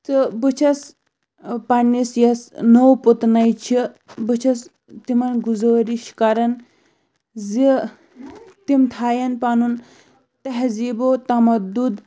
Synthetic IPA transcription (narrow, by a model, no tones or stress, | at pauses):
t͡sɨbɨt͡ʃʰɐs | pɐnisjɐsnowput̪nɐjt͡ʃʰibɨt͡ʃʰɐs | t̪imɐnɡuzəːɾiʃkɐɾɐn | zi | t̪imt̪ʰaːjɐnpɐnun | t̪ɐɦziːbot̪ɐmɐd̪ud̪